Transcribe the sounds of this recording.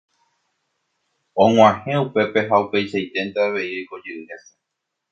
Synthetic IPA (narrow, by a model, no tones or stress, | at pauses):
õŋ̃ʷãhẽ̞upe̞pe̞ɦaupe̞jʃajt̪ent̪eaʋe̞iojko̞d͡ʒeɨhese̥